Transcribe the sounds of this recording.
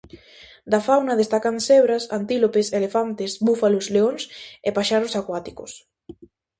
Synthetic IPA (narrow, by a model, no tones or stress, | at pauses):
d̪afawnɐð̞est̪akanseβɾasa̰nt̪ilopeselefant̪esbufalozleonsepaʃaɾʊsakwat̪i̥kʊ̰s